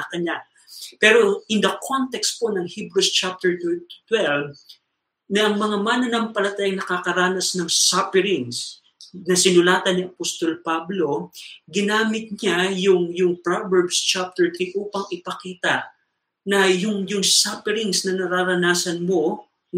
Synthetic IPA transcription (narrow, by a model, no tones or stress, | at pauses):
kɐnɲa | pɛːɾo̞ʔɪnd̪ɐkʰont̪ɛkst̪̚po̞nɐŋhibɾust͡ʃap̚t̪ɛɹt̪t̪wɛlv | nɐʔɐŋmɐŋamanɐnɐmpɐlɐt̪ajaŋnɐkakɐɾaːnɐsnɐŋsapɪɾɪŋs | nɐsɪnʊlaːt̪ɐnːiʔɐpost̪o̞lpablo̞ɡɪnaːmɪt̪̚ɲajʊŋjʊŋpɹavɛɹbst͡ʃap̚t̪ɛɹt̪ɾiʔuːpɐŋɪpɐkiːt̪ɐ | nɐjʊŋjʊŋsapɪɾɪŋsnɐnɐɾaːɾɐnaːsɐnmo̞